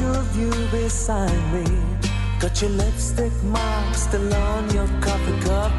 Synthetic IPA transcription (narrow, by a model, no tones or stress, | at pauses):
ə | vju | bɪsaɪd̚mi | kʌt͡ʃɨlɛfstɪk̚mɑɹkstɪlɔ | njə˞kʰɑpɪkʰʌp̚